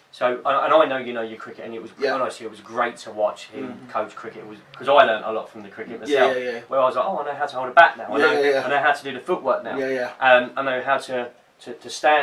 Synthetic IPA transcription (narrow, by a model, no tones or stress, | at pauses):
soʊʔə̃nə̰̃naɪnəʊjɨnoʊjəkʰɹ̥ɪkɪtə̃nɪʔ̚wɒzə̃naɪsiɪt̚wɒzɡɹeɪtʰəwɒt͡ʃɪ̃mkʰəʊt͡ʃkʰɹ̥ɪkɪtwɒzkʰɒzaɪlɜ̃ːˑntə̰lɒ̰tfɹə̃mðəkʰɹ̥ɪkɪt̚məjɛlˠjwəɹaɪwʌzlaɪkoʊaɪnəʊɦaʊtəhoʊlˠdəbak̚naʊãɪɪnəʊɪ̃nəʊɦaʊtʰədʉəfʊʔwɜˑ˞k̚naʊjæʔʌ̃mãɪnəʊɦaʊtʰə | tʰətʰəstæ̃